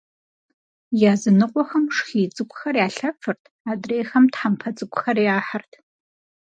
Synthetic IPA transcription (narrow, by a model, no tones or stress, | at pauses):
jaːzɨnɨqʷʼɔxɐmʂxiːt͡sʼɨkʷʼxɐrjaːɬɐfʰɨrtʰaːdreːxɐmtħampʰɐt͡sʼɨkʷʊxɐrjaːħartʰ